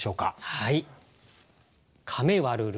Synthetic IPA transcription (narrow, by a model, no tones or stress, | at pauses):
o̞ːka̰hai | kʰame̞βaɾɯ̟ɾ